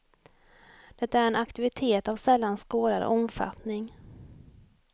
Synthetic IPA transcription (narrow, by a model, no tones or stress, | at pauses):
d̪̥ɛt̪ːaæɾɛnakt̪ɪvɪt̪ʰeːt̪avsɛlːanskoːd̪ad̪ə̰ɔmfa̰t̪nɪŋ